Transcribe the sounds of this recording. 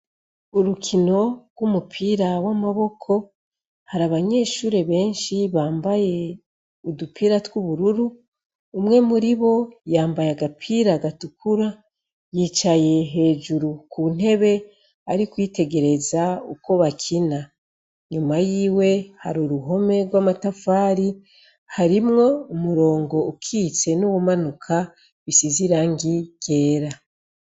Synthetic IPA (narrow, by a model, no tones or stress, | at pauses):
uɾukʰino̞ɾɡwumupʰiːɾawamaβo̞kʰo̞ | haɾaβaɲe̞ːʃuːɾe̞βe̞ːnʃiβaːmbaje̞ | udupʰiːɾatwuβuɾuɾuː | mŋe̞muɾiβo̞jaːmbajaɡapʰiːɾaɡatukʰuɾa | jiːt͡ʃaje̞ɦe̞ːʒuɾukʰun̥e̞βe̞ | aɾikwite̞ɡe̞ɾe̞zaṵko̞βakʰina | ɲumajiːwe̞ha̰ɾuɾuɦo̞me̞ɡwamatafaːɾi | haɾimŋo̞umuɾo̞ːŋɡo̞ukʰiːt͡se̞nuwumanukʰa | βisiziɾaŋɡiɡ̥e̞ːɾa